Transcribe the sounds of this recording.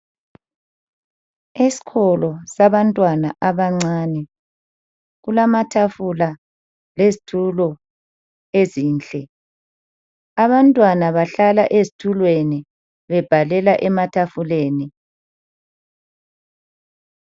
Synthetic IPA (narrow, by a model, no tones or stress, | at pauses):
isi̥kʰɔlɔsaβantʼwanaʔaβaŋ͡ǀaːnɛ | ɣulamatʰafula | lezitʰulɔ | eziːnt͡ɬʼɛ | aβantʼwanaβaɬalaʔezitʰulweni | βɛb̥ʱalɛlaʔɛmatʰafuleːni